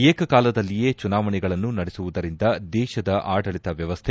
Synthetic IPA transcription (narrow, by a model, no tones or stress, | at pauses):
eːkɐkaːlɐd̪ɐlːije̞ːt͡ʃunaːʋɐɳɛɡɐɭɐnːunɐɽɛsuʋud̪ɐɾind̪ɐd̪ɛːʃɐd̪ɐʔaːɖɐɭit̪ɐʋjɐʋɐst̪ʰe